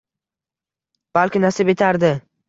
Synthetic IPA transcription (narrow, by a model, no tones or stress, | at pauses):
b̥alkʲɪnasɪbe̞t̪ʰaɾd̪ɪ